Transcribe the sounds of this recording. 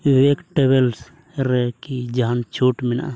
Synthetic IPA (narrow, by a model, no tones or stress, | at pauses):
ʋekʈeβels | ɾekid͡ʒant͡ʃʰuːʈmina̰